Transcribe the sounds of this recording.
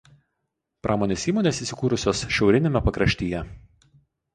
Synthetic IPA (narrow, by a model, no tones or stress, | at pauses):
pɾʔɑːmoːnʲeːsiːmoːnʲeːsiːsʲɪkuːɾʊsʲoːsʃʲɛʊɾʲɪnʲemʲɛpɐkɾɐʃʲt̪ʲiːjɛ